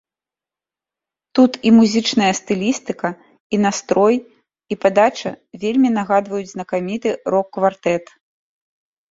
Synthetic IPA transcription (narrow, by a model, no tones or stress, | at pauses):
t̪ut̪imuzʲɨt͡ʂnɐjɐst̪ɨlʲist̪ɨkɐ | inast̪ɾɔj | ipad̪at͡ʂɐvʲelʲmʲinaɣad̪vɐjud͡zʲznɐkamʲit̪ɨrɔkːvart̪ɛt̪